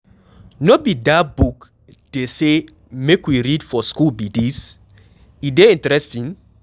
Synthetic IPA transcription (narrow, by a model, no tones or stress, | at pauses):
nobidabuk | d̥ese | mekwiɹidfɔskulbidis | ideĩntɹɛstĩn